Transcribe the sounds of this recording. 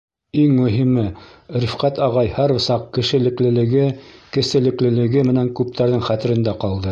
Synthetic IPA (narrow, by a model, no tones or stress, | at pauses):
iŋmɵ̆ɦimɘɾɘ̆fqæt̪ɑʁɑjhæɾɤ̆sɑqkɘ̆ʃɘ̆lɘ̆klɘ̆lɘ̆ɡɘkɘ̆sɘ̆lɘ̆klɘ̆lɘ̆ɡɘmɘ̆næŋkʉp̚t̪ʰæɾðɘŋχæt̪ɘ̆ɾɘ̆nd̪æqɑlˠd̪ɤ